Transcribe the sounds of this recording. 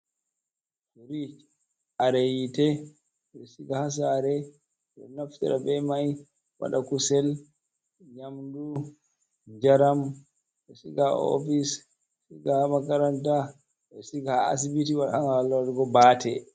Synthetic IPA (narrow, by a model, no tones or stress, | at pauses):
fuɾit͡ʃ | aɾɛjitɛ | ɓɛsiɡahas̬aɾɛ | ɗɔ̰naftɛ̰ɗabɛmaj | wa̰ɗakusɛl | ɲamdu | ɲd͡ʒaɾam | bɛsiɡao̰fis | siɡahamakaɾanta | ɓɛsiɡaaa̰s̬ibitiwaɗa̰haŋalːaɾɡɔbaːtʰɛ